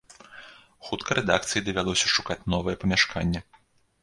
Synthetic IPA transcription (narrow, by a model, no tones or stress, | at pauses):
xut̪kʰɐɾɛd̪ak̚t̪sɨjid̪ɐvʲalˠɔsʲɐʂukat͡sʲnɔvɨjɛpɐmʲaʂkʰanʲːɛ